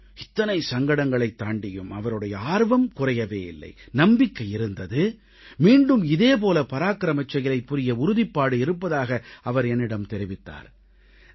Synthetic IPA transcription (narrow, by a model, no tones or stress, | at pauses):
ɪt̪ːɐnɐɪsɐŋɡɐɽɐŋɡɐɭɐɪt̪ːaːɳɖɪjɯmɐʋɐɾɯɽɐjɐaːɾʋɐmkʊrɐjɐʋeːɪlːɐ̰ɪnɐmbɪkːɐjɪɾɯnd̪ɐðɯ | miːɳɖɯmɪðeːp̬oːlɐpɐɾaːkɪɾɐmɐt͡ʃːɐɣɪlɐɪpːʊɾɪjɐʊɾʊðɪpːaːɽɯɪɾɯpːɐðaːɣɐɐʋɐɾɛnːɪɽɐmt̪ɛɾɪʋɪt̪ːa̰ːɾ